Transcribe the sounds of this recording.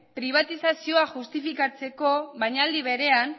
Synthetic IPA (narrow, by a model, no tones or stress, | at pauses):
pɾiβ̞at̪isasio̞axust̪ifikat͡se̞ko̞βajɲald̪iβe̞ɾe̞an